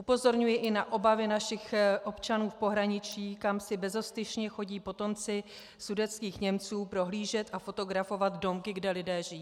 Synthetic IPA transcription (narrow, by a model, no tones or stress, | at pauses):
ʔupo̞zo̞ɾɲujɪʔɪnaʔo̞bavɪnaʃɪxʔo̞pt͡ʃanuːfpo̞ɦɾaɲɪt͡ʃiːkamsɪbɛzo̞st̪ɪʃɲɛxo̞ɟiːpo̞t̪o̞mt͡sɪ | sudɛt͡skiːxɲɛmt͡suːpɾo̞ɦliːʒɛt̪ʔafo̞t̪o̞ɡɾafo̞vat̪do̞mkɪɡdɛlɪdɛːʒɪjiː